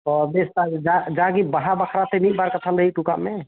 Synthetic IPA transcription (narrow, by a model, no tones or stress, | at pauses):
ɔbest̪ad͡ʒad͡ʒaɡibəɦabakʰɾat̪emik̚baɾkət̪ʰald̪əɦiʈuka̰ʔme